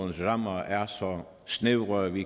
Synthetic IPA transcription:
n̩sʁɑmɐæɐsɒ | sneʊʁəʋi

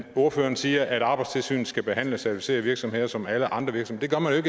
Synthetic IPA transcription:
o̝ɐføːɐnsiːɐʔæɾ̥ɑ̈ːb̥ɑ̈ɪ̥st͡sʰe̝lsy̰ːn̩sɡ̥æb̥e̝ɦæn̰ləsæɐt͡sʰifise̝ːɐʋiɐɡ̥sɒ̽mhe̝ð̰ˠɐsɒ̽mæləʔɑ̈nd̥ʁɐʋiɐɡ̥sɒmed̥e̝ɡɶɐmænjoeɡ

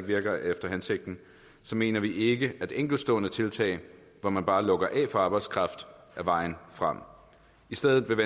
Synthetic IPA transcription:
ɡ̥ʋiɐɡ̥ɐefd̥ɐɦænse̝ɡ̥̚d̥n̩ | sɒ̽me̝ːnɐʋiʔe̝ɡ̥əæd̥eŋ̰ɡ̥l̩sd̥ɔ̰ːnət͡sʰe̝lt͡sʰɛ̰ɪ | ʋɒmænb̥ɑ̈ːlɔ̽ɡ̥ɐʔɛ̰ːfɒ̽ɑ̈ːb̥ɑ̈ɪd̥skʰʁɑ̈fd̥ | ʔæʋɑ̈ɪ̰n̩fʁɑm̰ | isd̥eð̰ˠð̩ˠʋe̝ʋe

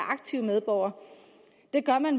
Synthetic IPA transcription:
ɑ̈ɡ̥̚t͡sʰiʊmeð̞ˠb̥ɒʊ̰ɐ | d̥e̝ɡ̥ɶɐmæn

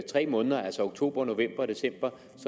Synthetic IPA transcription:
t͡sʰʁɛ̰ːmɔ̽ːnðˠɐælsɒo̝ɡ̥̚t͡sʰo̝̰ːb̥ɐno̝ʋem̰b̥ɐd̥e̝sem̰b̥ɐ | s

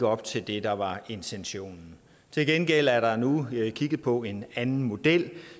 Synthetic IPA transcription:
ɒ̽b̥t͡sʰe̝ld̥e̝d̥ɑ̈ʋɑ̈e̝nt͡sʰenɕo̝̰ːnn̩ | t͡sʰe̝lɡ̥enɡ̥el̰æɐɾ̥ɑ̈nukʰiɡ̥ð̩ˠpʰɒ̽e̝nænn̩mo̝d̥el̰

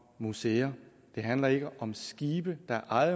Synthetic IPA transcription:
museːɐ | d̥e̝ɦænlɐe̝ɡ̥əʔɒ̽msɡ̥iːb̥əd̥ɑ̈ʔɑð

